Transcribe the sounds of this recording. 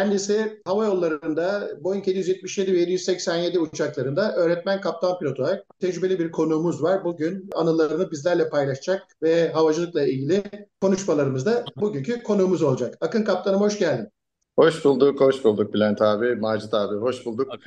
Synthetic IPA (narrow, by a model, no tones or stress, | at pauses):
cʰænd̪isɛhavajo̞lˠːaɾɯnd̪abo̞jynʰe̞d̪ijyzjɛt̪̚miʃje̞d̪ivɛje̞d̪ijyzsɛcsænje̞d̪iut͡ʃʰaklˠaɾɯnd̪aʔø̞ːɾɛt̪̚mænkʰap̚t̪ʰanpʰilʲo̞t̪ʰoaɾak̚t̪ʰɛd͡ʒɾybelʲibiɾkʰo̞nuːmuzvaɾbuɟynanɯlˠaɾɾɯnɯbizlʲæɾlʲɛpʰajlˠaʃd͡ʒak̚vɛɦavad͡ʒɯlˠɯklˠailʲɟilʲɪkʰo̞nuʃmalˠaɾɯmɯzd̪abuɟyɲcʰykʰo̞nuːmuzo̞lˠd͡ʒakakɯnkʰap̚t̪ʰanɯmho̞ʃɟælʲd̪im | ho̞ʃbulˠd̪ukho̞ʃbulˠd̪uk̚bilʲænt̪ʰaːbimaːd͡ʒɯt̪ʰaːbiːɦo̞ʃbulˠd̪uk̚